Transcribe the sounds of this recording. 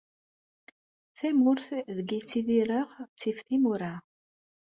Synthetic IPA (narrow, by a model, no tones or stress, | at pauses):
θæmːʊɾθðəɡit͡sːiðiɾəʁt͡sːifθimuɾa